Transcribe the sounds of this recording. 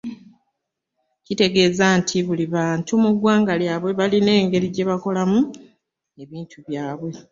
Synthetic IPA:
cite̞ɡe̞ːzantʰiβuliβaːntumuɡwaːŋɡaljaβwe̞βaline̞ːŋɡe̞ɾiɟe̞βako̞lamu | e̞βiːntʰuβjaːβwe̞

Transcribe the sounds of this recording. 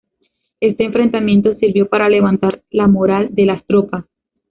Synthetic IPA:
e̞st̪e̞ːɱfɾe̞nt̪amje̞nt̪o̞siɾβjo̞paɾale̞βant̪aɾlamoɾald̪e̞last̪ɾo̞pas

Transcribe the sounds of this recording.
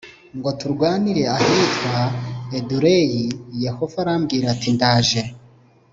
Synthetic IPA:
ŋɡo̞tuɾɡwaːniɾe̞ahitwaeduɾejijehovaɾamɡiːɾatindaːʒe

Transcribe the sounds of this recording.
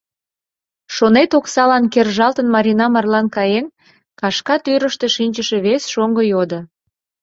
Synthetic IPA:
ʃonet̪oksɑlɑnkerʒɑlt̪ənmɑɾʲinɑmɑrlɑnkɑjen | kɑʃkɑt̪yɾəʃt̪e̽ʃinʲt͡ɕəʃe̽βesʃoŋɡəjod̪o

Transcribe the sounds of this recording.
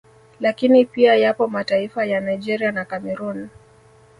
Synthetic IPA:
lakinipiajapɔmataifajanajd͡ʒɛɾianakamɛɾun

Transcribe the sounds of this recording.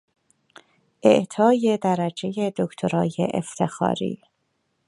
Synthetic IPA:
ʔḛʔt̪ʰɒːje̞d̪æɾæd͡ʒe̞jed̪okt̪ʰoɾɒːjḛʔḛft̪ʰe̞xɒ̰ːɾḭː

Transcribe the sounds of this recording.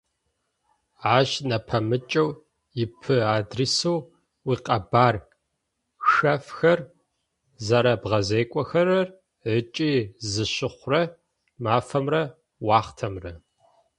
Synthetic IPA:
aːʑnɐpʰɐmɨt͡ʃʼɐw | jɪpʰɨaːdrisuw | wiːqɐbaːr | xɐfxɐr | zɐɾɐbʁɐzeːkʷʼɔxɐrɐr | ʕət͡ʃʼiːzɨɕɪχʷrɐ | maːfɐmrɐ | wɑːχtʰɐmrɐ

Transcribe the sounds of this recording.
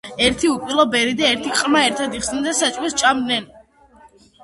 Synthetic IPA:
ɛɾt̪ʰiupʼilˠɔbɛɾid̪aɛɾt̪ʰiqʼmaɛɾt̪ʰad̪iχsnɛnd̪asat͡ʃʼwɛst͡ʃʼamd̪nɛn

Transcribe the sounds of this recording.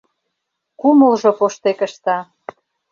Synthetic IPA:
kuməlʒopoʃt̪ekə̆ʃt̪ɑ

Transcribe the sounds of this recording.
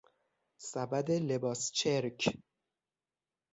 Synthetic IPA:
sæbæd̪ele̞bɒːst͡ʃʰeɾcʰ

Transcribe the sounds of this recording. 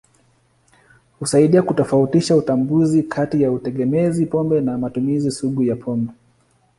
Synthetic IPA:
husaiɗiakutɔfautiʃautambuzikʰatijautɛɠɛmɛzipɔmbɛnamatumizisuɠujapʰɔmbɛ

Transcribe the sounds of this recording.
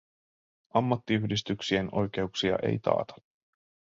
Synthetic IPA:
ɑmːɑt̪ːiyhdist̪yksie̞no̞̰jk̟e̞uksiɑ̰ʔe̞̰jt̪ɑ̰ːt̪ɑ̥

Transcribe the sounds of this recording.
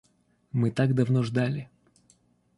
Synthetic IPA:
mɨt̪aɡd̪ɐvnoʐd̪alʲɪ

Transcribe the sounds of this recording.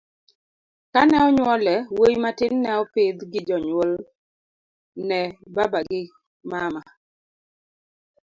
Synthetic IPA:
kanɛɔɲwɔlɛwojmatɪnːɛɔpɪd̪ɡɪd͡ʒɔɲwol | nɛbabaɡɪ | mama

